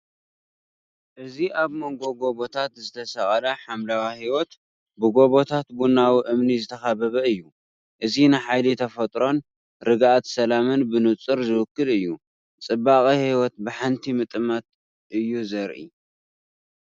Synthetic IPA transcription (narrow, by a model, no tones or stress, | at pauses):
ʔɨziʔaβmoŋɡo̞ɡo̞βo̞t̪ʰat̪zɨt̪ʰɐsɐχʼɐlɐħamlawahiwot̪ | bɨɡo̞βo̞t̪ʰat̪bunawiʔɨmnizɨt̪ʰɐxaβɐβɐɨjːu | ʔɨzinɨħajlit̪ʰɐfɐt̪ʼɾo̞n | ɾɨɡʔat̪sɐlamɨnbɨnɨt͡sʼɨɾzɨwʊkːɨlɨjːu | t͡sʼɨbːaχʼihiwɔt̪̚bɨħant̪ʰimɨt̪ʼɨmɐt̪ | ʔɨjːuzɐɾʔḭ